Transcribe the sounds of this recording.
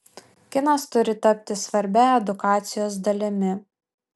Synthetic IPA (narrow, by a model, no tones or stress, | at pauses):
kʲɪnɐst̪ʊɾʲɪt̪ɐpʲt̪ʲɪsʋɐɾʲbʲɛɛd̪ʊkɑːt̪sʲɪjoːsd̪ɐlʲɪmʲɪ